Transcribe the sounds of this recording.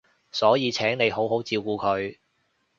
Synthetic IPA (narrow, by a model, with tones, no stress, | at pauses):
sɔː˨˥jiː˨˧t͡sʰɛː˨˥ŋne˨˧jɦo˨˥wɦo˨˥wt͡siː˧wkuː˧kʰɵ˨˧ɥ